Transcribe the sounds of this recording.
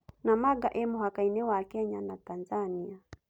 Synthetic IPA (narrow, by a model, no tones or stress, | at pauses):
namaɡaʔɛmuhakainɛwakɛɲanatanzania